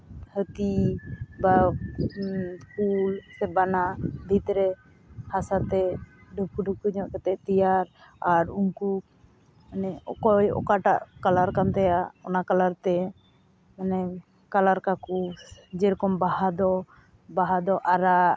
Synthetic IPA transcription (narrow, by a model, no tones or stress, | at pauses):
hət̪iba | skulsɛbanabʱit̪ɾɛ | hasat̪ɛɖʱub̚kuɖukuɲɔʔkɛt̪ɛʔt̪ijaɾ | aɾuŋku | nɛɔkɔjɔ̰kaʈa̰ʔkalaɾkant̪ɛjaɔnakalaɾt̪ɛ | manɛ | kalaɾkakud͡ʒɛɾkɔmbahad̪ɔ | baɦad̪ɔʔaɾaʔ